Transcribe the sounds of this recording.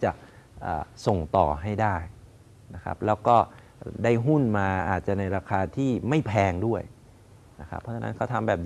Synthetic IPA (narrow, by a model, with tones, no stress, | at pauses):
t͡ɕa˨˩ʔʔəː˨˩so˨˩ŋt̪ɔ̰ː˨˩ɦa˥˩jdaː˥˩j | na˦˥kʰa̰˦˥p̚lɛː˦˥wkɔː˥˩ | daː˥˩jɦu˥˩nmaː˧ʔaː˨˩t̪̚t͡ɕa˨˩na˧jɾaː˧kʰaː˧t̪ʰiː˥˩ma˥˩jpʰɛː˧ŋdu˥˩əj | na̰˦˥kʰɾa̰˦˥pʰːɔː˦˥t͡ɕʰa˧na̰˦˥kʰa˥˩t̪ʰa˧mbɛː˨˩p̚